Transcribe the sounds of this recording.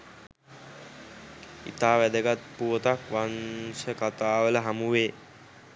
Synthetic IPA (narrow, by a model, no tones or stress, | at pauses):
ḭt̪aːʋæd̪əɡat̪̚puət̪akʋansəkat̪aːʋələɦamuʋeː